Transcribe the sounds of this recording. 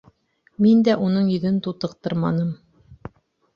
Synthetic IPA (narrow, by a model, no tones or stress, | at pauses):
mind̪æʔunɤɴjɵ̆ðɘnt̪ut̪ɤ̆qt̪ɤɾmɑnɤm